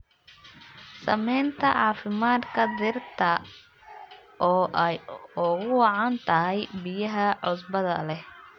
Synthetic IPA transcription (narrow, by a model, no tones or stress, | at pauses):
sɐ̰mɛjnt̪ʰɐʕɑːfɪmaːd̪kʰɐd̪ɪrt̪ʰɐ | ʔɔːʔɛjʊɣʊwɑʕɑnt̪ʰɐɦɛjbɪjɐɦɐʕʊsbɐðɐlɛh